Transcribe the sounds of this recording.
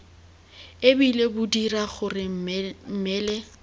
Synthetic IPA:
ebilebʊdiraχʊrɪm̩mɛːlɛ

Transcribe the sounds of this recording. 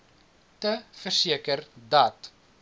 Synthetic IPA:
təfərsiəkərdɐt

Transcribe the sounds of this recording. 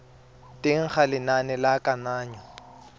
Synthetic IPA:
tʼɪŋ̩χalɪnanɛlakʼanaːɲɔ

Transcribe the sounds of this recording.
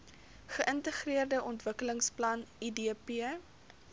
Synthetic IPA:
χəʔəntəχriərdəʔɔntvəkələŋsplɐnidiəpiə

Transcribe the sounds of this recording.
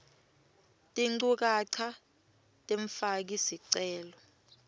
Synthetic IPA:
tʼiŋ͡ǀuk̬aǀʰa | tʼeɱfak̬isiǀɛːlɔ

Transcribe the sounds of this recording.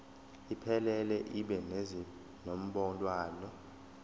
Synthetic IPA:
ipʰɛlɛlɛʔiɓɛnez | nom̩ɓɔlʼwaːlɔ

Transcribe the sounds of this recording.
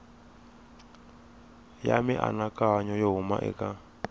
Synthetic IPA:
jamiʔa̰nakʼaɲɔjoɦuma̰ʔɛ̰kʼa

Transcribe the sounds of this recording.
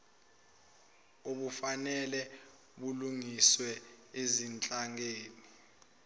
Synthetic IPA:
oɓufanɛlɛ | ɓuluŋiswɛezint͡ɬʼaŋeːni

